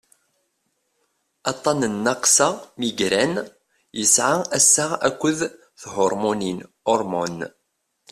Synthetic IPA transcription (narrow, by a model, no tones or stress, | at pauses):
ɑt̪ˤːɑnənːɑqsɑmiɡɾæn | jəsʕaæsːaʁækʷːəð | θhʊɾˤmonin | ɔɾˤmon